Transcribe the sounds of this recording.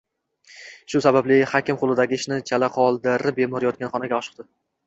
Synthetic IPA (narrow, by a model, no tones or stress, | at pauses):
ʃʊsabablɪhakʲɪmqʰʊlˠɪd̪aɡʲɪɪʃnɪt͡ʃʰalaqʰɒlˠd̪ɪɾɪp̚be̞mɒɾɪjɒt̪̚kʲanχɒnaɡʲaɒʃɨ̥q̚d̪̥ɪ